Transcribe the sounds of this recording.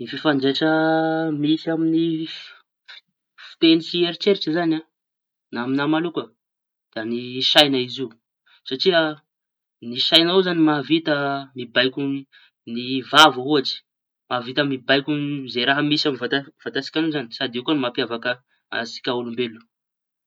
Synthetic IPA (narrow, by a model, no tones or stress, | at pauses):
nififaɳɖ͡ʐeʈ͡ʂəmisiamini | f | fi̥t̪enisieɾit͡ʃeɾiʈ͡ʂizana | naaminamalukə | d̪̥aniʃajnaiziu | saʈ͡ʂiə | niʃajnauzanimavit̪əmibajkʲu | nivavaɦuaʈ͡ʂi̥ | mavit̪amibajkʲuzeɾaɦəmisaminvaav̥ant̪asi̥kʲanuzanisad̪ekuanimapiavakə | a̰si̥kʲaulumbelu̥